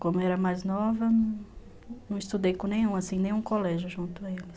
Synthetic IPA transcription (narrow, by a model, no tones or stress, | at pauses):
kõmʊɛɾɐmajznɔvɐnɐ̃ | nɐ̃w̃ist̪ud̪ejkõnẽj̃ũasĩnẽj̃ũkolɛʒjʊʒũnt̪ʊaelɪs